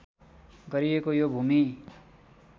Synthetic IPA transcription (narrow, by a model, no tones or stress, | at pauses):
ɡʌɾiekojobʱumi